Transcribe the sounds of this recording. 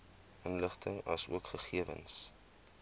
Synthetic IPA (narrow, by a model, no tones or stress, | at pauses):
ənləχtʰəŋɐ̰suəkχəχiəvə̰ns